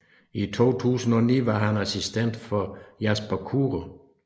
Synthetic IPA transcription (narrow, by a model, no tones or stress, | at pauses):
it͡sʰo̝̰ːt͡sʰṵːsn̩ɒ̽nḭːʋɑ̈ɦænæsisd̥en̰d̥fɒjæsb̥ɐkʰuːʁo